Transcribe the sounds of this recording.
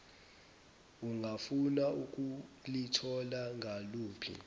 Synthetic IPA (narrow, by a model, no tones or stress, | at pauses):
uŋʱafunauk̬ʼulitʰɔlaŋʱaluːpʰḭ